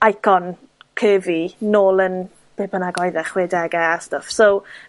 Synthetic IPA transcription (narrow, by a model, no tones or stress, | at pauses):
ajkʰɔn | kʰəːvinoːlˠən | b̥eːbənaɡɔjðɛχwɛdɛɡastəfsow